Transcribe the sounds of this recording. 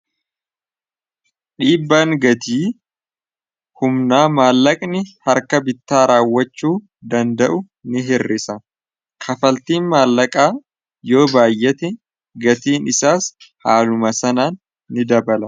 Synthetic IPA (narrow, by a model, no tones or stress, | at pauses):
ᶑiːbːaːŋɡɐt̪iː | hʊmnaːmaːlːɐkʼnɪhɐɾkɐbɪt̪ːaːɾaːwːɐt͡ʃːuː | d̪ɐnd̪ɐʔʊ | nɪɦɪrːɪsɐ | kʰɐfɐlt̪iːnmaːlːɐkʼaː | jo̞ːbaːjːɛt̪ɛ | ɡɐt̪iːnɪsaːshaːlʊmɐsɐnaːnː | ɪd̪ɐbɐlɐ